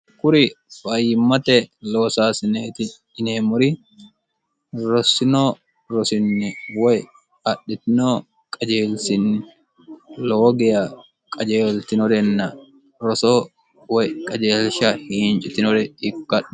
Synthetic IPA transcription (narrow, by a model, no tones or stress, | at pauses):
kʊɾɪ | fɐjɪmːɐt̪ɛlo̞ːsaːsɪneːt̪ɪ | ɪneːmʊɾɪ | ɾɔsɪnoː | ɾɔsɪnːɪwɔj | ɐɗːɪt̪ɪnoː | kʼɐd͡ʒeːlsɪnɪ | loːɡɛjɐ | kʼɐd͡ʒeːlt̪ɪnɔɾɛnːɐ | ɾɔsoː | wɔjkʼɐd͡ʒeːlʃɐhiːnt͡ʃʼɪt̪ɪnɔɾɛɪkːɐᶑ